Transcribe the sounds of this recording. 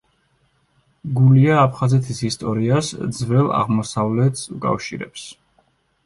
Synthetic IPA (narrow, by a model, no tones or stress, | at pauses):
ɡuliaːpʰχazɛt̪ʰisist̪ʼɔɾiasd̪zvɛlˠa̰ʁmɔsavlɛt̪ʰsukʼa̰fʃḭɾɛ̰ps